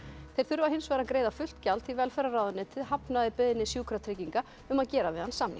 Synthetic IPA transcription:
θejɾ̥θʏɾvaɦɪnsvɛːɾaðkɾeːjðafʏl̥t̪calt̪θivɛlfɛɾaraːwðʏnːɪt̪ʰɪðɦapnaðɪpʏðɪnːɪsjuːkʰɾat̪ʰɾɪciŋka | ʏmaðcɛːɾavɪðhansamnḭ

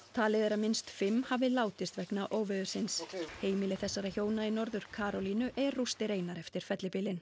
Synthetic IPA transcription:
t̪ʰaːlɪðɛɾamɪnst̪fɪmhavɪlaːwt̪ɪst̪vɛknaʔoːwvɪðʏ̥sɪnsheːjmɪlɪθɛsːaɾaçoːwnaɪnɔɾðʏɾ̥kʰaːɾɔlinʏʔɛɾrːust̪ɪɾeːjnaɾɛft̪ɪɾ̥fɛt̪lɪpɪlɪn

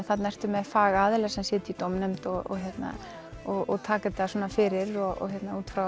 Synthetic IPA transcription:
θat̪naɛr̥t̪ʏmɛðfaːɣaaːðɪlɛɣsɛmsjɛːt̪ɪit̪ɔwmnɛmt̪ɔɔ̰ɦjɛt̪na̰ | ɔɔt̪ʰaːkat̪asɔːnafɪːɾɪɾɔɔ̰çjɛt̪nauːt̪fɾa

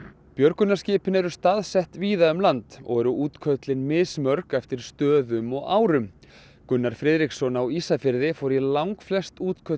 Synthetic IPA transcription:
pjœɾkʏnːascɪːpɪnɛɾʏst̪aːðsɛht̪viːðaʏmlant̪ɔ̰ɣɛɾʏuːt̪kʰœt̪lɪnmɪsmœɾkɛft̪ɪɾ̥st̪œːðʏmɔɣaːwɾʏm | kʏnːaɾ̥fɾɪːðɾiksɔnawisafɪɾðɪfɔɾilawŋkflɛst̪uːt̪kʰœ

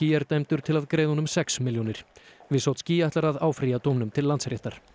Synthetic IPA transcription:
iːjɛɾt̪ejmt̪ʏɾ̥t̪ʰɪlaðkɾeːjðahɔnʏmsɛksmɪljonɪɾ̥vɪsawt̪sciːjajht̪laɾaðaːwfɾiat̪oːwmnʏmt̪ʰɪlːant̪shɾjɛht̪aɾ̥

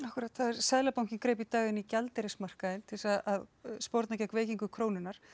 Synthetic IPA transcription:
ahkʏɾat̪θaðɛɾsaðlapawm̥cɪnkɾejp̬it̪aːɣɪnicalt̪ɛɾɪsmar̥kaðɪnt̪ʰɪlsaðaðspɔɾt̪nacɛhkveːjciŋkʏkʰɾoːwnɪnːaɾ̥

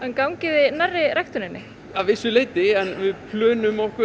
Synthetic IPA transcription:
ɛnkawŋcɪðɪnarːɪɾajxt̪ʏnɪnːɪ | avɪsʏleːjt̪ɪɛnvɪðpʰlœːnʏmɔhkʏ

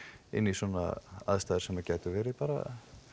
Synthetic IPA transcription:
ɪ̰nːiswɔna̰a̰ðst̪aːðɾsɛmːacɛːt̪ʏvɛːɾɪpaːɾa̰

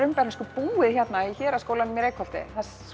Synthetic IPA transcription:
ʏmpɛɾnaskʏpuːɪðçjɛt̪naiçɛːɾaðskowlanɪmjɛɾejkfɔl̥t̪ɪ̰θas

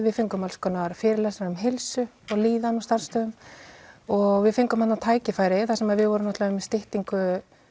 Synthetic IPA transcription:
vɪðfɪŋkʏmalskɔːnaɾfɪːɾɪlɛsɾɾʏmɦɪlsʏ | ɔɣliːðanɔst̪ar̥st̪œːðʏm | ɔɣvɪðfɪŋkʏmhat̪nawt̪ʰaːjcɪfaːjɾɪθasɛmaðvɪðvɔɾʏmnaht̪laʏmst̪ɪht̪iŋkʏ

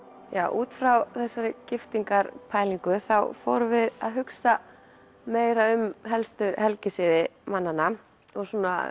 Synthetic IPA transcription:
ja̰ːwʔuːt̪fɾawθɛsːaɾɪcɪft̪iŋkaɾpʰaːjliŋkʏθawfɔ̰wɾʏvɪða̰ðɦʏksa | meːjɾaʏmɦɛlst̪ʏhɛlcɪsɪðɪmanːanːa | ɔɣsuːna̰

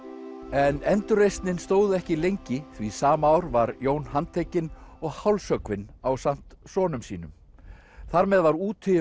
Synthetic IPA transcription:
ɛnɛnt̪ʏɾejst̪nɪnst̪oːwðʏɛhcɪlejɲcɪθvisaːmaaːwɾvaɾjoːwnɦant̪ʰejcɪnɔɣhawlsœkvɪnawsam̥t̪sɔːnʏmsiːnʏm | θaɾmɛðvaɾuːt̪ʰʏ

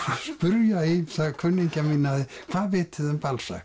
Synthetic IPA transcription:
hanspʏɾjaiθaɣkʰvʏnːiɲcamɪnːaðɪkʰv̥aðvɪːt̪ɪðʏmpalsa̰

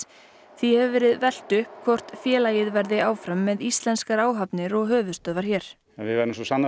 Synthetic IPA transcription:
θihɛvʏvɛːɾɪðvɛl̥t̪ʏhkʰvɔr̥t̪fjɛːlajɪðvɛɾðɪaːwfɾamːɛðist̪lɛnskaɾaːwɦapnɪɾɔɣɦœːvʏst̪œðvaɾ̥çɛːɾ̥ | ɛnvɪɛɾɪmsɔsanːa

